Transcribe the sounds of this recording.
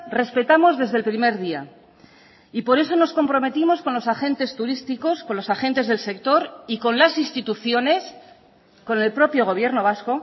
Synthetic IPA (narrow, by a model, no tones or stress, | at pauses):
re̞spe̞t̪amo̞zðe̞zðe̞lpɾime̞ɾð̞ia | ipo̞ɾe̞so̞no̞sko̞mpɾo̞me̞t̪imo̞sko̞nlo̞saxe̞nt̪e̞st̪uɾist̪iko̞sko̞nlo̞saxe̞nt̪e̞zð̞e̞lse̞k̚t̪o̞ɾiko̞nlasinst̪it̪uθjo̞ne̞s | ko̞ne̞lpɾo̞pjo̞ɣ̞o̞β̞je̞ɾno̞β̞asko̞